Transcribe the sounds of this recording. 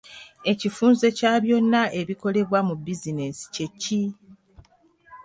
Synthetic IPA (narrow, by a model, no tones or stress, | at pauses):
e̞cifuːnze̞caːβjo̞nːaʔe̞βiko̞le̞βwamubːizine̞si̥ce̞cːi